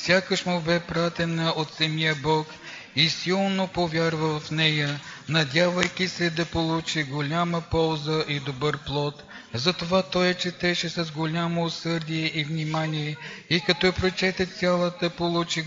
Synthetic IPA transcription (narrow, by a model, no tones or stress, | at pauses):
fsʲjakəʃmʊbɛpɾat̪ɛnəʔot̪sɐmijəbɔk | isilˠnopovʲjaɾvəvɐfnɛjənɐd̪ʲjavəjk̟ʲisɛd̪ɐpolˠut͡ʃiɡolʲaməpɔlˠzəʔid̪obɤɾplˠɔt̪zɐt̪ovat̪ɔjɛt͡ʃɛt̪ɛʃɛsɐzɡolʲamoːsɤɾd̪iɛʔivnʲimaniɛikɐt̪ɔɛpɾot͡ʃɛt̪ɛsʲjalˠət̪əpolˠut͡ʃi